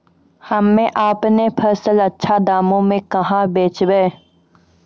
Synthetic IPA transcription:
hɐmːẽʔaːpnepʰəɾsəlɐtːʃʰad̪aːmõmẽkɐɦãbeːt͡ʃbeː

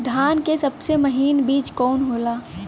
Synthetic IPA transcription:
d̪ʱaːnkesɐbseməɦiːnbiːt͡ʃkɔːnɦoːlaː

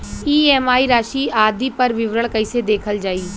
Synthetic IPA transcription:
iːɛːmaːiɾaːʃiːaːd̪ipɐɾʋɪʋɾəɭkəɪsed̪eːkʰəld͡ʒaːiː

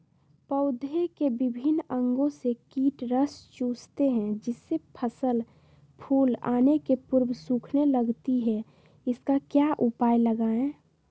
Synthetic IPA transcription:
pəʊd̪ʱekebɪbʱɪnə̃ŋɡõsekiːʈɾəst͡ʃuːst̪eɦɛ̃d͡ʒɪsːepʰəsəl | pʰuːla̰ːnekepʊɾbsũːkʰneləɡt̪iɦɛ | ɪskakjaʔupaːjləɡaːẽ

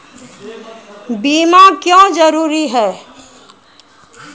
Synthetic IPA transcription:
biːmakjõːd͡ʒɐɾuːɾiɦɛː

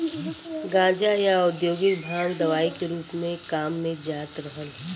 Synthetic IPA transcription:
ɡãːd͡ʒajaʊd̪joːɡɪt̪bʱaːŋd̪ɐʋaːikeɾuːpmẽkaːmːẽd͡ʒaːt̪ɾəɦən

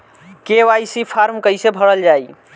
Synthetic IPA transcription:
keʋajsipʰaɾmkəjsebʱəɽəld͡ʒaj

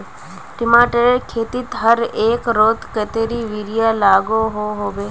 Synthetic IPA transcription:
ʈɪmaːʈəɾekʰeːt̪it̪ɦəɾeːkɾoːt̪kət̪eɾiʋiɾijalaːɡoɦoɦoʋeː

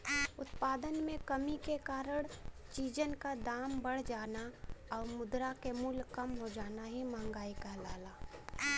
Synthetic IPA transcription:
ʊt̪paːd̪ənmẽkəmikekaːɾəɽ̃t͡ʃiːd͡ʒənkad̪aːmbəɽ̤d͡ʒaːnaɔːɾmʊd̪ɾakemulkəmɦod͡ʒaːnaɦimə̃ːŋɡaːikɛɦlaːlaː

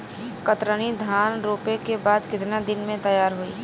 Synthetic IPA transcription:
kət̪ɾənid̪ʱaːnɾoːpekebaːd̪kɪt̪nad̪ɪnmẽt̪ɐjaːɾɦoḭː

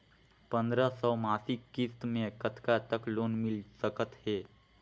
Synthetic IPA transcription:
pənd̪ɾəsəwmasikːist̪mẽkət̪kat̪əklonmilsəkət̪he

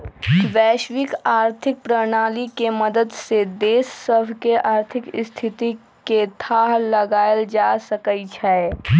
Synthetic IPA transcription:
ʋɛːʃʋɪkaːɾt̪ʰɪk̚pɾəɽñaːlikemɐd̪əd̪sed̪eːsːəbʱkeʔaːɾt̪ʰɪkɪst̪ʰɪt̪i | ket̪ʰaːɦlɐɡaːjəld͡ʒaːsɐkəit͡ʃʰɛɛ

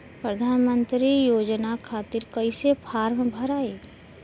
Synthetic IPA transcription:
pɾəd̪ʱaːnmənt̪ɾijoːd͡ʒnakʰaːt̪ɪɾkəɪsepʰaːɾmbʱəɾaːeː

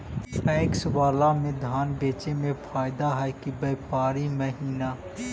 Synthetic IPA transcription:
ɛːksʊʋaːlamẽd̪ʱaːnbeːt͡ʃemẽpʰaːɪd̪aɦɛkibeːpaːɾiməɦiːnaː

